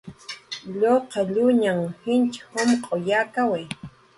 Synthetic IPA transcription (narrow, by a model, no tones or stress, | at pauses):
ʎoqɑʎʊɲaŋhɪnt͡ʃhomqʼojakawe